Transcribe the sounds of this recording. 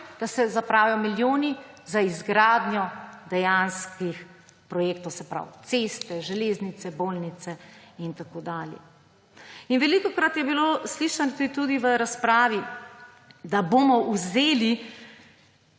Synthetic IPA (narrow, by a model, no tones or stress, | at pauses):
d̪̥asɛzapɾaːwjɔmiljoːnizaizɡɾaːd̪nʲjɔd̪ɛjanskix | pɾɔjeːkt̪ɔwsɛpɾa̰wt̪seːst̪ɛʒɛleːznit̪sɛboːlnit̪sɛint̪akoːd̪aːljɛ̰ | inʋɛlikɔkɾat̪jɛbilosliːʃanɔt̪t̪ud̪iʋəɾaspɾaːʋi | d̪aboːmɔʔuzeːli